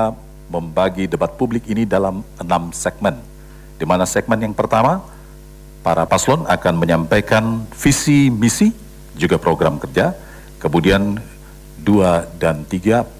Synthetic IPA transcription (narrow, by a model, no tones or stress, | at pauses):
məmbaɡidəbat̪̚publɪkinidalamənamsɛk̚mɛn | dimanasɛk̚mɛnjaŋpərt̪ama | paɾapaslɔnakanməɲampajkanfisimisi | d͡ʒuɡapɾoɡɾamkərd͡ʒa | kəmudian | duadant̪iɡa